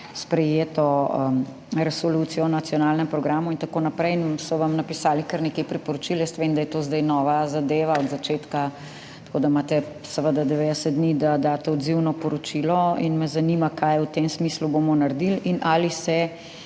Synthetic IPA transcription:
spɾɛjeːt̪ɔ | ɾɛsolut̪sijɔnat̪sjɔnalnɛmpɾɔɡɾaːmuint̪akoːnapɾɛjnsɔʋamnapisaːlikəɾnekɛjpɾipɔɾot͡ʃiljɛst̪ɛʋemd̪ajɛt̪ozd̪ajnɔʋazad̪eːʋaɔd̪zat͡ʃeːt̪ka | t̪kod̪amaːt̪ɛ | sɛʋəd̪ad̪ɛʋed̪ɛsəd̪d̪nid̪ad̪aːt̪ɛɔd̪ziwnɔpɔɾɔt͡ʃilɔḭnmɛzanimakajut̪emsmisluboːmɔnaɾd̪ilinʔalisɛ

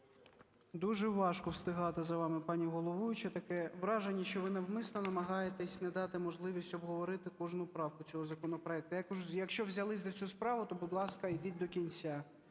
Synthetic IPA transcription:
d̪uʒɛʋɑʃkɔwst̪ɪɦɑt̪ɪzɐʋɑmɪpɑnʲiɦɔlˠɔʋujʊt͡ʃɐt̪ɐkɛʋɾɑʒenʲːiʃt͡ʃɔʋɪnɐʋmɪsnɔnɐmɐɦɑjet̪ɛsʲnɛd̪ɑt̪ɪmɔʒlˠɪʋʲisʲtʲɔbɦɔʋɔɾɪt̪ɪkɔʒnʊpɾɑwkʊt͡sʲɔɦɔzɐkɔnɔpɾɔɛk̚t̪ʊjɐkjɐkʃt͡ʃɔʋzʲɐlˠɪs̬ʲzɐt͡sʲuspɾɑʋʊt̪ɔbʊd̪lˠɑskɐid̪ɪtʲd̪ɔkʲint͡sʲa

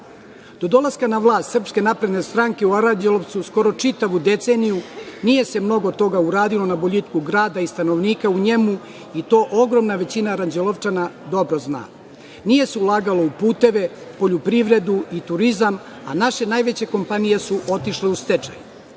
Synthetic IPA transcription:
d̪̥o̞d̪o̞laskanaʋlˠaːst̪sr̩pske̞napɾe̞d̪ne̞st̪ɾaːŋke̞uaɾaɲd͡ʑeloʋt̪susko̞ɾo̞t͡ʂit̪aʋud̪e̞t̪se̞nijunije̞se̞mno̞ɡot̪o̞ɡauɾaːd̪ilo̞naboʎit̪kuɡɾaːd̪aist̪ano̞ʋniːkauɲe̞mu | it̪o̞ːʔo̞ɡɾo̞mnaʋe̞t͡ɕinaɾand͡ʑeloʋt͡ʃanad̪o̞bɾo̞zna̰ː | nije̞seulˠaːɡalo̞upuːt̪e̞ʋe̞po̞ʎupɾiʋɾe̞d̪uit̪uɾizam | a̰naʃe̞naːjʋe̞t͡ɕe̞ko̞mpanije̞suʔo̞t̪iʃle̞ust̪et͡ʃa̰ju

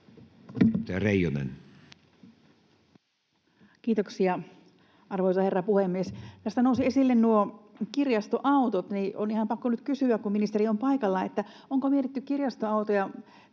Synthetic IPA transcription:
t̪ereijonḛn | kiːt̪oksiɑ | ʔɑrʋoisɑherːɑpuhemːiest̪æst̪ænousiesilːennuokirjɑst̪oʔɑut̪ot̪niʔonihɑmpɑkːonyt̪kysyækkumminist̪eriompɑikɑlːɑet̪ːæoŋkomiet̪it̪ːykkirjɑst̪oɑut̪ojɑ

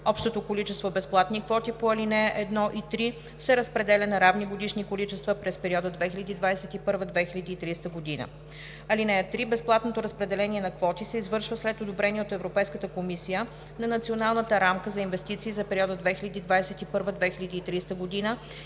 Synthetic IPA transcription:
ɔpʃt̪ot̪okolit͡ʃɛst̪vobɛsplˠat̪nikvɔt̪ipoɐlinɛjəʔɛd̪nɔʔit̪ɾi | sɛɾəspɾɛd̪ɛlʲɐnɐɾavniɡod̪iʃnikolit͡ʃɛst̪vəpɾɛspɛɾiɔd̪əd̪vɛxilʲɐd̪iːd̪vasɛt̪ipɤɾvəd̪vɛxilʲɐd̪iːt̪ɾist̪əɡod̪inə̰ | ɐlinɛjət̪ɾibɛsplˠat̪not̪oɾəspɾɛd̪ɛlɛniɛnɐkvɔt̪isɛizvɤɾʃvəslɛt̪od̪obɾɛniɛot̪ɛvɾopɛjskət̪əkomisijə | nɐnɐt̪sionalˠnət̪əɾamkəzɐinvɛst̪it̪siːzɐpɛɾiɔd̪əd̪vɛxilʲɐd̪iːd̪vajsɛt̪ipɤɾvəd̪vɛxilʲɐd̪iːt̪ɾist̪əɡod̪inə

